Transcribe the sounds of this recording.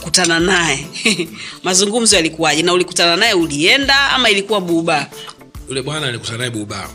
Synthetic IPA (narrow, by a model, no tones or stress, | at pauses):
kutananajɛ | mazuŋɡum̩zɔjalikuwaʄɛnaulikutananajɛuliɛndaa̰mailikuwaɓuɓa | ulɛmwanaːliku̥tananaɛɓuɓa̰